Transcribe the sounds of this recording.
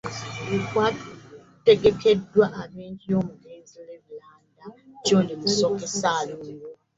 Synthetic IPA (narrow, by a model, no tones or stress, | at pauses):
kwa | te̞ɡe̞kʰe̞dːwaʔaβeːɲɟijo̞ːmuleːnzileβilaːndat͡ʃoːnimusokesalo